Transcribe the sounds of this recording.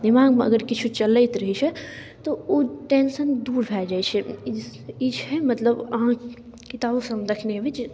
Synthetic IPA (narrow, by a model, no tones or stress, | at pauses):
d̪imaːɡm̃ɐ̰ɡəɾkit͡ʃʰut͡ʃɐləjt̪ɾəɦit͡ʃʰɛ | t̪ooːʈeːnsənd̪uːɾbʱɛːd͡ʒaːjt͡ʃʰɛ | id͡ʒʰɦɛmɐt̪ləbɐɦã | kit̪aːbosɐ̃md̪ɐkʰneʋet͡ʃ